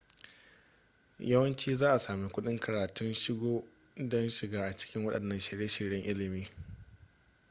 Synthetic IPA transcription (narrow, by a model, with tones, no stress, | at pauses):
jʔɐ˦wɐ˦nt͡ʃiː˦zaː˦ʔa˨saː˨meː˦kʷʊ˦ɗɪ˦ŋkʰɐ˨ɾaː˨tʊ˦nʃɪ˦ɡʷoː˦ | dɔ˦nʃɪ˨ɡaː˦ʔa˨t͡ʃɪ̥˦kʲɪ˦ŋwɐ˦ɗɐ˨nːɐ˦nʃɪ˨ɾje˦ʃɪ˨ɾjɐ˦ŋʔɪ˦lɪ˨miː˦